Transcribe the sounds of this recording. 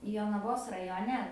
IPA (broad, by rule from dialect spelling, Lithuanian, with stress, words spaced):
joːnɐˈʋoːs rɐjoːˈnʲɛ